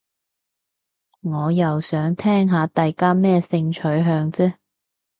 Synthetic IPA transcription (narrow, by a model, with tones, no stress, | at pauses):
ŋɔː˨˧jɐ˨wsœː˨˥ŋt̪ʰɛː˥ŋɦaː˨˧t̪a˨jkaː˥mɛː˥sɪ˧ŋt͡ʃʰɵ˨˥ɥɦœː˧ŋt͡sɛː˥